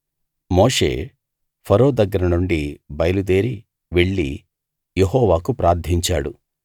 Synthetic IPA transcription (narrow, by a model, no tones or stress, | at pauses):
moːʂe̞̰ː | pʰɐɾo̞ːd̪ɐɡːɐɾɐnuɳɖibɐjɐlud̪e̞ːɾi | ʋeɭːḭ | jeɦɔːʋaːkupɾaːɾd̪ʱiɲt͡ʃaːɽu